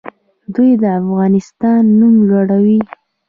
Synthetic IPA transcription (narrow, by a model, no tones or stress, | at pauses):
d̪ujd̪əafɣɑnɪst̪ɑnːumʒoɽawi